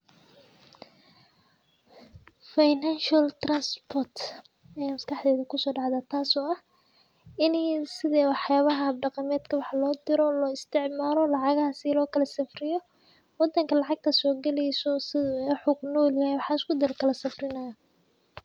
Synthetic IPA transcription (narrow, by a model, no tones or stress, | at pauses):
fajnanʃɐlt̪ranspʰɔrt̪ | ɛaːmɐskʰɑħd̪ɛːðɐkʰʊsɔːɖɑʕd̪ɐt̪ʰaːsɔːɐh | ɪnɛjsɪðɛːwɑħjaːβɐɦɐɖɑqɑmɛːd̪kʰɐwɑħlɔːd̪ɪɾɔlɔːɪst̪ʰɪʕmaːlɔlɑʕɑɣɐhɐsɪlɔːkʰɐlɐsɪfrɪjɔ | wɑd̪ɐŋkʰɐlɑʕɑɡ̚t̪ʰɐsɔːɡɛlɛjsɔsɪðʊɛːħʊqnɔːljahɛjwɑħɑːɪskʊd̪ɪlkʰɐlɐsɪfrɪnɐjɐ